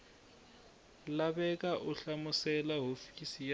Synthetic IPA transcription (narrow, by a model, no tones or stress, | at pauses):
labɛkʼaʔʊɬamʊsɛlaɦofi̥kʼisij